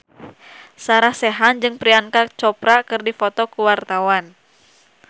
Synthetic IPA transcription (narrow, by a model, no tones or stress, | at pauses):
saɾahsɛɦand͡ʒɨŋpɾiankat͡ʃɔpɾakɨrdifɔt̪ɔkuwart̪awan